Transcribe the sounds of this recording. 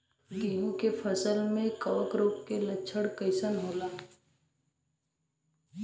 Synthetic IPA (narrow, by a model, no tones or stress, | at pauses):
kijõkepʰəsəlmẽkəʋəkɾoːpkelətːʃʰəɽkəɪsənɦoːlaː